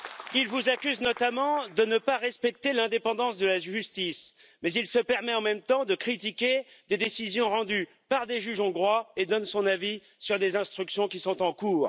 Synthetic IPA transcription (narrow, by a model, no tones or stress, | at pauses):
ilvuzakʲyznɔt̪amɑ̃d̪ənəpaʁɛspɛk̚t̪elɛ̃d̪epɑ̃d̪ɑ̃sd̪əlaʒyst̪ismɛzilsəpɛʁmɛɑ̃mɛmt̪ɑ̃d̪əkχit̪ikʲed̪ed̪esizjɔ̃ʁɑ̃d̪y | paʁd̪eʒyʒɑ̃ɡʁwaed̪ɔnsɔ̃navi | syʁd̪ezɛ̃st̪χyksjɔ̃kʲisɔ̃t̪ɑ̃kuːʁ